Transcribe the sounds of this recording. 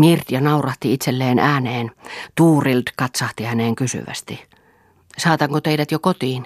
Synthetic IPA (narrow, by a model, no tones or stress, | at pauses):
mirt̪ijɑnɑurɑht̪iit̪selːeːnʔæːneːnt̪uːrilt̪kɑt̪sɑht̪ihæneːŋkysy̰ʋæ̰st̪i | sɑːt̪ɑŋkot̪eidæt̪jokot̪iːn